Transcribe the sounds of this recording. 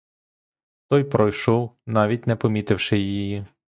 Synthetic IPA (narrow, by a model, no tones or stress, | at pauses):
t̪ɔjpɾɔjʃɔwnɑʋʲitʲnɛpɔmʲit̪ɪwʃɪjijji